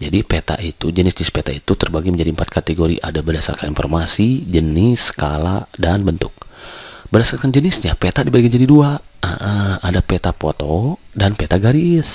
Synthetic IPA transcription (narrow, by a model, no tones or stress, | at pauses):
d͡ʒadipet̪a̰ʔit̪ud͡ʒənɪsd͡ʒənɪspet̪ait̪ut̪ərbaɡiməɲd͡ʒadiəmpat̪̚kat̪eɡoɾḭʔadabərdasa̰rkaninfɔrmasid͡ʒənɪskaladanbənt̪ʊk̚bərdasarkand͡ʒənɪsɲapet̪adibaikand͡ʒadiduaa̰ʔaadapet̪apot̪odanpet̪aɡaɾɪs